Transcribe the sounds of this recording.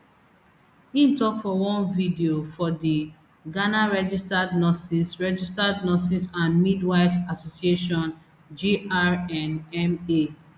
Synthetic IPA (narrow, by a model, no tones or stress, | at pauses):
ĩntɔkfɔwɔ̃nvidiofɔdi | ɡanaɹɛd͡ʒistadnɔsisɹɛd͡ʒistadnɔsisãnmidwaɪvasosieʃɔ̃n | d͡ʒiʔaɹɛ̃nɛme